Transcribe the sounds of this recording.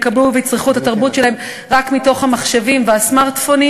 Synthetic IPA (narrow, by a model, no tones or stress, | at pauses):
kabluvet͡sʁiχutataʁbutʃelahem | ʁakmito̞χhamaχʃevimveasmaʁt̪foni